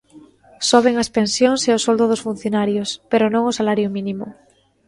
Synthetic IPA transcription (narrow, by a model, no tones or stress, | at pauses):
soβ̞eŋaspẽnsjõŋseosold̪oð̞osfun̟θjonaɾjospeɾonõŋosalaɾjomĩnĩmo̰